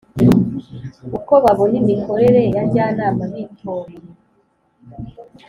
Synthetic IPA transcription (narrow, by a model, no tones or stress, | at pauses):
uko̞βaβonimikʰo̞ɾe̞ɾe̞jaɟaːnaːmanitʰoɾiɾi